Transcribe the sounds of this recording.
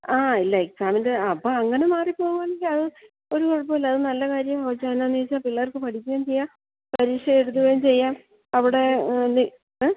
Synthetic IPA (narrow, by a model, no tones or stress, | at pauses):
aːilːɐiksaːmindeɐpːoɐŋːɐne̞maːripo̞ːɣuɐɳːiɡilɐðɨ | oɾukoɻɐpːoːilːɐðɨnɐlːɐkaːɾjɐmɐʋɐt͡ɕːaːnaːniit͡ɕːaːpiɭːɐɐrkɨpɐʈʰikʲːujaːmt͡ɕe̞jːaːm | pɐɾiːʂjɐeɽut̪ːuɣɐjumt͡ɕe̞jːaːm | ɐʋiɽe̞ni